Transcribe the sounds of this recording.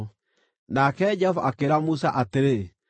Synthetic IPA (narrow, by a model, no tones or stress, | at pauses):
nakɛd͡ʒɛɔvaʔakeɾamusaʔateɾe